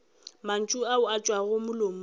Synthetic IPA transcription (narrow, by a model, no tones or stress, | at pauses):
man̩t͡ʃʼuaʊat͡ʃʼwaɣʊmʊlomʊ